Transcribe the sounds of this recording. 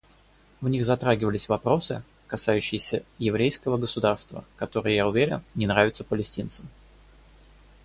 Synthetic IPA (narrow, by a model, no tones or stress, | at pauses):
vnʲixzɐt̪ɾaɡʲɪvəlʲɪsʲvɐpɾo̞sɨ̰ | kɐsajʉɕːɪjɪsʲəjɪvɾʲejskəvəɡəsʊd̪arst̪və̰kɐt̪o̞ɾɨjəjaʊvʲeɾʲɪ̰nnʲɪnɾavʲɪt̪səpəlʲɪsʲtʲint̪səm